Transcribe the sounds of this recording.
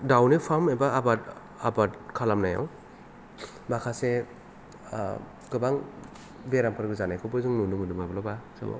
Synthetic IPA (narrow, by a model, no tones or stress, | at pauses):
dawnipʰamebaabat | abatkʰalamnaja̰w | bakʰase | ɡɯbaŋ | beɾampʰɯɾɡɯzanajkʰɯbɯzɯŋnunuŋɯdumabɯlaba̰